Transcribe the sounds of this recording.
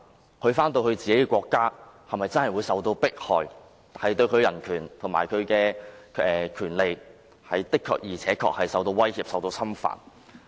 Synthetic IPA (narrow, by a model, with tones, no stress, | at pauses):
kʰɵ˨˧ɥfaː˥nt̪o˧wkɵ˧ɥt͡siː˨ke˨˥kɛː˧kʷɔː˧kːaː˥hɐ˨˩mɐ˨jt͡sɐ˥nhɐ˨jwuː˨˧jsɐ˨wt̪o˧wpɪ˥k̚hɔː˨˩j | hɐ˨jt̪ɵ˧ɥkʰɵ˨˧ɥjɐ˨˩nkʰyː˨˩nt̪ʰo˨˩ŋma̰ː˨˩jkʰɵ˨˧kɛː˧ɛː˨kʰyː˨˩nle˨˧j | hɐ˨jt̪ɪ˥kʰːɔ̰ː˧k̚jiː˨˩t͡sʰɛː˨˥kʰɔ̰ː˧k̚hɐ˨jsɐ˨wt̪o˧wɐ˥jhiː˨p̚sɐ˨wt̪o˧wsɐ˥mfa̰ː˨n